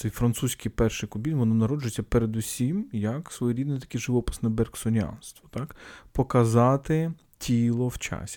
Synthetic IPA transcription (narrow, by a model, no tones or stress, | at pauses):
ɛjfɾɐnt̪susʲkɪjpɛrʃɪjkʊbʲinʲʋɔnɔnɐɾɔd͡ʒʊjet͡sʲːɐpeɾed̪ʊsʲimjɐksʋɔjɛɾʲid̪nijt̪ɐ̥kʲiʒɪʋɔpɪ̥snɐbɛrksɔnʲa̰nst̪ʋɔ̥t̪ɑkpɔkɐzɑt̪ɪ | tʲʰilˠɔwt͡ʃɑ̰sʲi̥